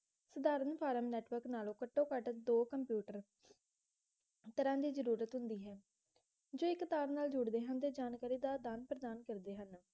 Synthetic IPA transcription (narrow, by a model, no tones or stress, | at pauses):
səd̪aːɾənpʰaːɾəmnɛːʈʋəɾknaːlõːkəʈːõːkəʈd̪oːkəmpjuːʈəɾ | t̪əɾãːd̪iːzəɾuːɾət̪ɦʊnd̪iːɦɛː | d͡ʒoːɪkːt̪aːɾnaːld͡ʒʊɽd̪eːɦənt̪eːd͡ʒaːnkaːɾiːd̪aːd̪aːnpɾəd̪aːnkəɾd̪eːɦən